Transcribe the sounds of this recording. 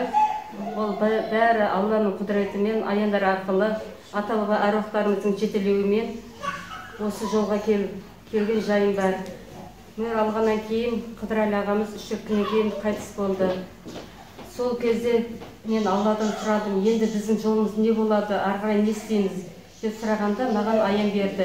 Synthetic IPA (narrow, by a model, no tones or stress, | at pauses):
wolˠbæɾɪʔɑlˠːɑnəɴqʰʊd̪əɾe̞t̪əme̞nʔɑ̰jɑnd̪ɑɾɑɾqəlˠə | ɑt̪ɑlˠʁɑʔæɾwɑqt̪ɑɾəməzd̪əɴʒe̞t̪ele̞wɪme̞n | wo̞səʒo̞lˠʁɑkʲʰel | kʲʰe̞lɡʲe̞nʒɑjəmbɑɾ | mɪnɾɑlˠʁɑnːɑŋkʲʰe̞jɪnqʰəd̪əɾælʲɑʁɑməzʏʃɪɾk̪ʲːɪne̞ŋkʲʰe̞jɪɴqʰɑjt̪ə̥sbo̞lˠd̪ə | so̞lˠkʲʰe̞zd̪e̞ | me̞nɑlˠːɑd̪ɑnsʊɾɑd̪əmje̞nd̪ɪbɪzd̪ɪŋʒo̞lˠəməzne̞bo̞lˠɑd̪əʔɑɾqɑɾɑjnest̪e̞jmɪz | d̪̥e̞psʊɾɑʁɑnd̪ɑmɑʁɑnɑjɑmbe̞ɾd̪ɪ